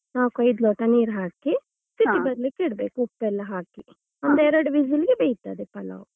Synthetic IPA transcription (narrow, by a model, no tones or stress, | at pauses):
naːkɐjd̪loːʈɐniːɾɦaːki | siʈibɐd̪likːiɽbeːkuupːɛlːɐɦaːki | ɔnd̪ɛɾɐɽuʋid͡ʒɐliɡebejt̪a̰ːd̪epɐlɐ̰u